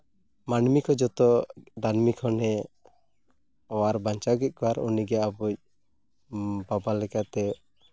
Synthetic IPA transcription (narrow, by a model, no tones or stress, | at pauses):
manmikʰɔd͡ʒɔt̪ɔd̪anmikʰɔnɛ | ɔwaɾbaɲt͡ʃaɡɛc̚ˀkʰɔaɾṵniɡɛabuc̚ | babalɛkat̪ɛ